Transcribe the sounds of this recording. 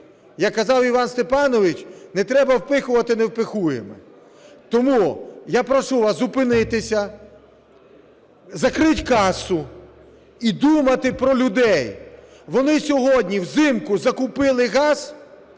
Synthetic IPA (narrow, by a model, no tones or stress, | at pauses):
jɐkːɐzɑwiʋɑnst̪epɑnɔʋɪt͡ʃnɛt̪ɾɛbɐwpɪxʊʋɐt̪ɪnewpɪxujḛmɛ̰ | t̪ɔmujapɾɔʃuʋɑszʊpɪnɪt̪ɪsʲɐ | zɐkɾɪtʲkɑsʊ | id̪umɐt̪ɪpɾɔlʲʊd̪ɛj | ʋɔnɪsʲɔɦɔdʲnʲiwzɪmkʊzɐkʊpɪlˠɪɣɑz̥